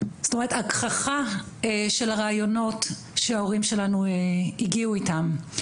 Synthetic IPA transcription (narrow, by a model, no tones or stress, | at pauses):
sto̞me̞etakχaχa | eʃelaʁaːjono̞t | ʃeaoʁimʃe̞lanueiɡiuitam